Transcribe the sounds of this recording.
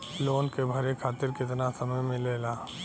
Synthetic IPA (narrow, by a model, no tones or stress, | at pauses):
loːnkebʱɐɾekʰaːt̪ɪɾkɪt̪nasɐməjmẽleːlaː